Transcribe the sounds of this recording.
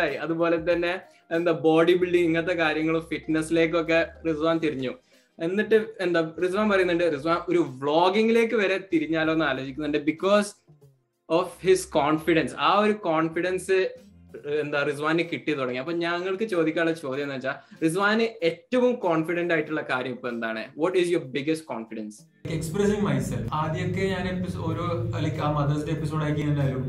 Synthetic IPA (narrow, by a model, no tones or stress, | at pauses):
aːjiɐðubo̞ːle̞t̪ɐnːe̞ | end̪ɐboːɽibiɭɖiŋiŋːɐt̪̬ːe̞kaːɾjɐŋːɐɭumfiʈnesːile̞ːk̬ːo̞k̬ːe̞risʋaːnt̪iɾiɲːu | enːiʈːɨend̪aːris̬ʋaːnpɐrɐjunːɐɳɖɨris̬ʋaːno̞ɾuʋɭo̞ːɡiŋile̞ːk̬ːɨʋɐɾe̞t̪iɾiɲːaːloːenːɨaːloːd͡ʑikʲːunːuɳɖɨbikːo̞ːs | ofhiskoːɳfiɽɐnsaːoɾukoːɳfiɽɐnsɨ | end̪aːrisʋaːnɨkiʈːijɐt̪uɽɐŋːiɐpːoːɲaŋːɐɭkɨt͡ɕo̞ːd̪ikʲːaːɭːɐt͡ɕo̞ːd̪jɐnːɐt͡ɕːaːris̬ʋaːnɨetːɐʋumkoːɳfiɽendaːjiʈːuɭːɐkaːɾjɐmipːɐme̞nd̪aːɳɨ̰ʋɔʈisjoːrbiɡɐsʈ̚koːnfiɖɐns | kːekspresiŋmɐjselfaːd̪jokːeɲaːnepːisoɾoɐlikʲːaːmɐd̪ɐsindeepːiso̞ːɽaːjikʲːanɐlːaːlum